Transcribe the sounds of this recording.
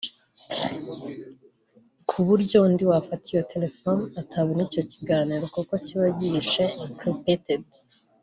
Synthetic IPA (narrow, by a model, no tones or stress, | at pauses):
kʰuβuɾɟo̞ndiwafatijo̞tʰe̞le̞fonatʰaβonico̞ciɡaːniːɾokuko̞ciβaɟiʃekʰɾipeted